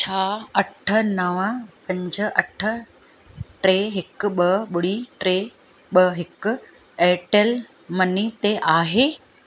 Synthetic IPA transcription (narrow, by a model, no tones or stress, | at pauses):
t͡ɕʰaːɐʈʰə̆nəʋəpɐ̃ɲd͡ʑə̆ʔɐʈʰə̆ | ʈɾeːɦɪk̆ɓɐɓʊɽiʈɾe | ɓəɦɪk̆ | eːʈel | mɐnit̪eʔaːɦeː